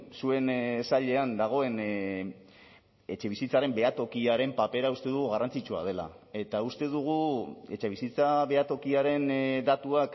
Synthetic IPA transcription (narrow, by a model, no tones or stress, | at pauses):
sue̞nsaʎe̞and̪aɣ̞o̞e̞n | e̞t͡ʃe̞β̞isit͡saɾe̞mbe̞at̪o̞kiaɾe̞mpape̞ɾaust̪e̞ðuɣ̞uɣarant͡sit͡ʃua̰ð̞e̞la̰ | e̞t̪aust̪e̞ðuɣ̞ue̞t͡ʃe̞βisit͡saβe̞at̪o̞kiaɾe̞nd̪at̪uak